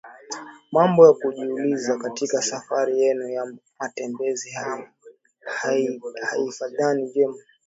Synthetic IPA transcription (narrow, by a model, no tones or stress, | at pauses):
mambɔjakuʄiːlizakatikasafaɾijɛnujamatɛmbɛziha | hhaifaðaniʄɛma